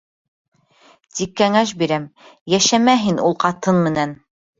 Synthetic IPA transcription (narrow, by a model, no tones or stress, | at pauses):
t̪ikːæŋæʃ̬biɾæmjæʃæmæɦinʔulˠqɑt̪ɤnmɘ̆næn